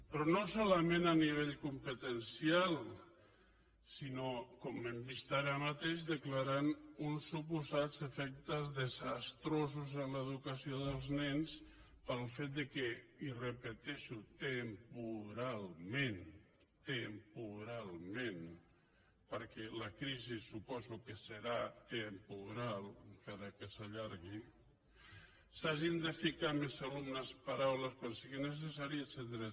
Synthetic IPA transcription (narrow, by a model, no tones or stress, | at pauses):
pɾɔnosɔləmenaniβ̞eʎkumpət̪ənsialˠ | sinokɔmːəmbist̪aɾəmat̪eʃd̪əklaɾanunsːup̬uzadzəfɛk̚t̪əzðəzast̪ɾozuzənləðukəsioðəlˠznɛns | pəlˠfet̪̚d̪əkɛirəpət̪ɛʃut̪əmpuɾalˠmen | t̪əmpuɾalˠmen | pəɾkɛləkɾizisupɔzukəsəɾat̪əmpuɾalˠkaɾəkəsəʎaɾɣi | saʒind̪əfikamezalumnəspaɾawləskwansiɣinəs̬əsaɾiəsend̪ɾe